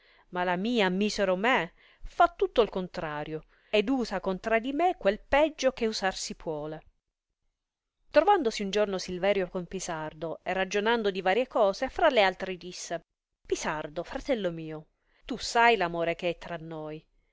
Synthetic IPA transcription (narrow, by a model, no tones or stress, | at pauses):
malamiːamiːseɾome | fat̪ːut̪ːoilkont̪ɾaːɾjo | ed̪uːzakont̪ɾad̪imekːwelpɛd͡ʒːokeuzarsipʰwɔːle | t̪ɾovand̪osiund͡ʒornosilvɛːɾjokompisard̪oerːad͡ʒonand̪od̪ivaːɾjekɔːzefɾalːealt̪ɾed̪isːe | pisard̪ofɾat̪ɛlːomiːo | t̪usːajlamoːɾekeɛt̪ːɾanːoj